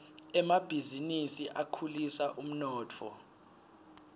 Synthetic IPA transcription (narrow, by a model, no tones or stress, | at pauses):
ɛmab̥ʱizinisiʔakʰulisaʔum̩nɔːtʰɔ̰